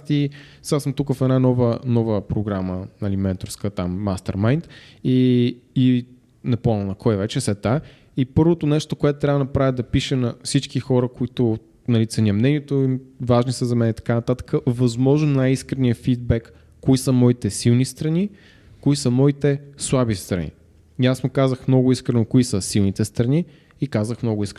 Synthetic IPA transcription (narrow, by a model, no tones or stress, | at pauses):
t̪isasəmt̪ukəfɛd̪nanɔvənɔvəpɾoɡɾamənɐlimɛnt̪oɾskət̪amːast̪ɛ̰ɾmajnt̪ii | nɐpɔnʲəlˠnɐkʰɔjvɛt͡ʃɛsɛt̪a | ipɤɾvot̪onɛʃt̪okoɛt̪ʊt̪ɾʲavənɐpɾavʲid̪ɐpiʃɛnɐfsit͡ʃkixɔɾəkoit̪o | nɐlit̪sɛniəmnɛniɛt̪oivaʒnisəzɐmɛnɛt̪ɐ̥kanɐt̪at̪ə̥kəvɐzmɔʒnonajiskɾɛniəfid̪̚bɛkː | oisəmɔit̪ɛsilˠnist̪ɾɐni | koisəmɔit̪ɛslˠabist̪ɾɐ̰nḭ | iasmokazəxmnɔɡʊiskɾɛnokoisəsilˠnit̪ɛst̪ɾɐniː | kazəxmnɔɡʊiskɾ